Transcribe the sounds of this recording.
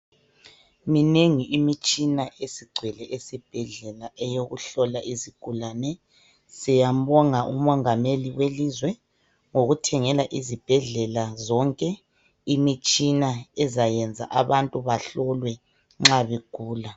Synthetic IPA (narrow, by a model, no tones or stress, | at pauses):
mineŋiʔimit͡ʃʼinaʔesiɡ͡ǀʱwɛlɛʔesib̥ʱɛɮɛlaʔɛjoɣuɬɔlaʔiziɡ̥ʱulanɛ | sɛjambɔŋaʔumɔŋameliwelizwɛ | ŋoɣutʰɛŋɛlaʔizib̥ʱɛɮɛlazɔŋkʼɛ | imit͡ʃʼinaɛzajɛnd͡zʱa̰ʔaβantʼuβaɬɔlwɛ | ŋ͡ǁaβeɡ̥ʱuːla